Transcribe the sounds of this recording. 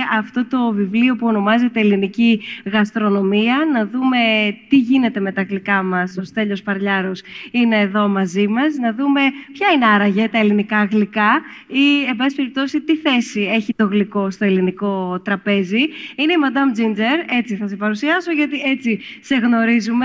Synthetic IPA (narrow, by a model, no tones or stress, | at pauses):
ɐft̪o̞t̪o̞vivlio̞puo̞no̞mɐze̞t̪e̞ːliniciɣɐst̪ɾo̞no̞miɐnɐðume̞t̪iʝine̞t̪e̞me̞t̪ɐːɣlikɐmɐso̞st̪e̞ʎo̞spɐɾʎɐɾosine̞ːðo̞mɐzimɐsnɐðume̞pçɐineɐɾɐʝet̪ɐe̞linikɐːɣlikɐie̞mbɐsisipe̞ɾip̚t̪o̞sit̪iθe̞sie̞çit̪o̞ɣliko̞st̪o̞e̞liniko̞t̪ɾɐpe̞ziineimɐd̪ɐmd͡zind͡zeɾe̞t͡siθɐs̬e̞pɐɾusiɐso̞ʝɐt̪ie̞t͡si | se̞ɣno̞ɾizume